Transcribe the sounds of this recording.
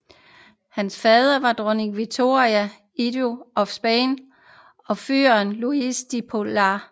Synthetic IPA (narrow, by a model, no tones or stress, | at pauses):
hænsfɛːð̞ˠɐʋɑ̈d̥ʁɔniɡʋi̥t͡sʰo̝iæ | id̥oʔɒ̽fsb̥en | ɒ̽fyɐnluisd̥ipʰolɑ